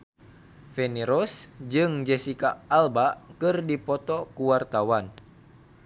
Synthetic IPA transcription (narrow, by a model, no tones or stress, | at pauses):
fɛniɾɔsd͡ʒɨŋd͡ʒɛsikaːlbakɨrdipɔt̪ɔkuwart̪awan